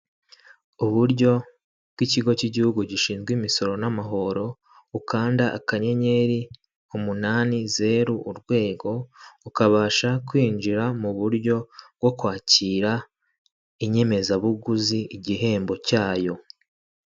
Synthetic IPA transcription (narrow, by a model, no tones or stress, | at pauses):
uβuɾɟo̞ | b̥ɡwiciɡo̞ciɟihuɡuɟiʃiːnzɡwiːmiso̞ɾo̞namaɦo̞ɾo̞ | ukaːndaʔakaɲe̞ɲe̞ɾi | umunaːnize̞ɾuʔuɾɡwe̞ːɡo̞ukaβaːʃakwiːnd͡ʒiɾamuβuɾɟo̞bɡo̞kwaːciːɾa | iɲe̞me̞zaβuɡuziiɟiɦe̞ːmbo̞caːjo̞